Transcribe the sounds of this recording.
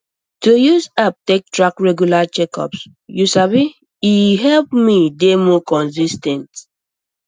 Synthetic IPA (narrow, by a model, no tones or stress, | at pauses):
tujuzap̚tek̚tɹakɹɛɡjulat͡ʃɛkɔ̰ps | jusabi | iɦɛlp̚midemɔkɔ̃nsistɛ̃nt